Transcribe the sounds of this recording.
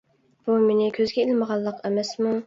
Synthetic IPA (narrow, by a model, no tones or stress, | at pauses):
b̥umenɪkʲʰøzɡʲɛelɪməʁɑlˠːəqʰɛmɛsmu